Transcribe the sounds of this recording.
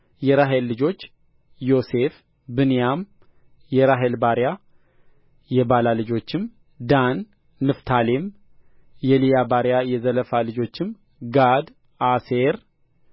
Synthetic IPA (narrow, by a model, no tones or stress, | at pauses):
jɛɾaɦelːɨd͡ʒo̞t͡ʃː | jo̞se̞f | bɨnjam | jɛɾaɦelbaɾja | jɛbalalɨd͡ʒo̞t͡ʃːɪm | d̪anː | ɨft̪ʰalem | jɛlijabaɾjajɛzələfalɨd͡ʒo̞t͡ʃːɪm | ɡad̪ | aseɾ